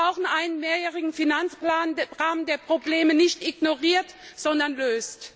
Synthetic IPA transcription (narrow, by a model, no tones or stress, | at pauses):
aʊxn̩ʔaɪnənmeːɐjɛːʁɪɡŋ̩finant͡splaːnʁaːnndeːɐpʁ̥obleːmənɪçtʔiɡnoʁiːɐtz̥ɔndɐnløːst